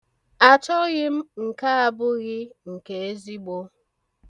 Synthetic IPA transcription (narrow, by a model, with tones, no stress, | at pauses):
a˨t͡ʃɔ˦ɣɪ˦m̩˦ŋ̩˨ka˦a˦bʊ˦ɣɪ˦ŋ̩˨ke˨e˦zi˦ɡ͡bo˦